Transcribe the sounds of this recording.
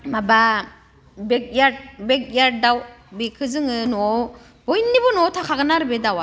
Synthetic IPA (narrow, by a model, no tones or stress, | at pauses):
maba | bek̚jabek̚jaɾ̚dawbekʰɯzɯŋɯnɔ | bojnːibɔnɔtʰakʰaɡɯnaɾɯbedawa